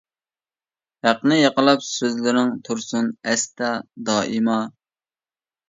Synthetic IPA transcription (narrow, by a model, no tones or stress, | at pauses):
hæqnɪjɑqəlˠɑpsøzlɪɾɪŋt̪ʰuɾsunɛst̪ɑd̪ɑːʔimɑ